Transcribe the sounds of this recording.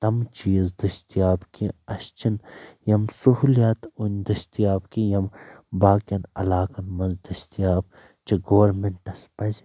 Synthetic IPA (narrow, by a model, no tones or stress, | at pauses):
t̪ɐmt͡ʃiːzd̪ɐʃt̪ijaːbkiɐʃt͡ʃinjɐmsuhuljaːt̪unʲd̪ɐʃt̪ijaːbkijɐmbaːkjɐnɐ̰laːkɐnmɐnzd̪ɐst̪ijaːb | t͡ʃiɡoːɐɾmeɳʈɐspɐzʲ